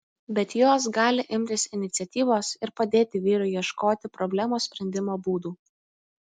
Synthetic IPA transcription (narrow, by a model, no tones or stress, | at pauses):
bʲɛt̪joːs̬ɡɑːlʲɪʔɪmʲt̪ʲɪsɪnʲɪt̪sʲɛt̪ʲiːʋoːsɪɾpɐd̪ʲeːt̪ʲɪʋʲiːɾʊɪjiɛʃkoːt̪ʲɪpɾɔbʲlʲæmoːsʲpʲɾʲɛnʲd̪ʲɪmoːbuːd̪uː